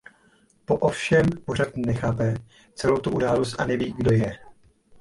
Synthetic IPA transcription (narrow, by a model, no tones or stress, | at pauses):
po̞ʔofʃɛmpo̞rat̪nɛxaːpɛ | t͡sɛlo̞wt̪uʔudaːlo̞st̪ʔa̰nɛviːɡdo̞jɛ